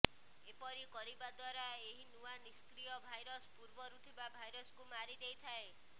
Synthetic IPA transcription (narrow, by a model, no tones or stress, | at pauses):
epɔɾikɔɾibad̪waɾaeɦinuaniskɾijɔbʱajɾɔspuɾbɔɾut̪ʰibabʱajɾɔskumaɾid̪ejt̪ʰae